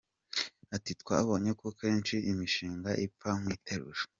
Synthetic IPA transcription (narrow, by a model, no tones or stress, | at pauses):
atitkwaːβo̞ːɲe̞koke̞ːnt͡ʃiimiʃiːŋɡaʔipaŋ̥wiːtʰeɾṵʒe̥